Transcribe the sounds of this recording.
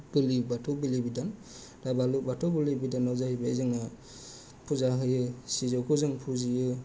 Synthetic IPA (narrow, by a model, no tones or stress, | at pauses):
bɯlibatʰɔbilibidan | dabalubatʰɔbilibidanawzahibazɯŋa | pʰuzaɦɯjɯsizɔkʰuzɯŋpʰuzijɯ